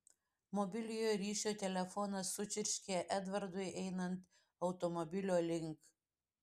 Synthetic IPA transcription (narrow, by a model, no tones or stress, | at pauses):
mɔbʲɪlʲɪjoːjɾʲiːʃʲoːt̪ʲɛlʲɛfɔnɐsːʊt͡ʃʲɪɾʲʃʲkʲeːʔɛd̪ʋɐɾd̪ʊɪʔɛɪnɐnt̪ | ɐʊt̪ɔmɔbʲɪlʲoːlʲɪŋk